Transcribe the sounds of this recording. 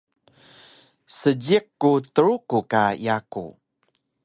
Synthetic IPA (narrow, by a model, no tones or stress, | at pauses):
səɟikːut̪əɾukukaḭakṵ